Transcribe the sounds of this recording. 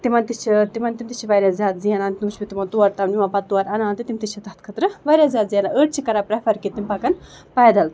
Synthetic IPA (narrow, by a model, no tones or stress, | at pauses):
t̪imɐnt̪it͡ʃʰit̪imɐnt̪imt̪it͡ʃʰiʋɐjɾʲazʲjaːt̪zijɐnaːnt̪inut͡ʃbit̪imɐnt̪uɐɾt̪amnimapɐt̪ːuɐɾʲɐnaːnt̪it̪imt̪it͡ʃʰɐt̪ɐt̪kʰɐt̪ɾɨʋɐɾʲjazjaːt̪zijɐnaʔəʈ̚t͡ʃʰikɐɾaːpɾɛfʰɐɾkit̪impakɐnpɐːjd̪ɐlt̪